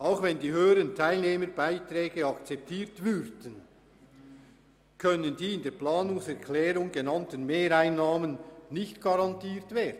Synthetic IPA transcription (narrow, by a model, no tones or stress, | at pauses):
ʔaʊxvɛndiːhøːəɾəntʰaɪlneːməɾbaɪtrɛːɡəɑkt͡sɛp̚tʰiːɐtvʏɾd̥ən | kʰœnəndiːɪndeːplaːnʊŋsɛʁkʰlɛːɾʊŋɡ̥enɑntənmeːɾaɪnːaːmənːɪçtɡ̥ɑɾɑntiːtveːdn̩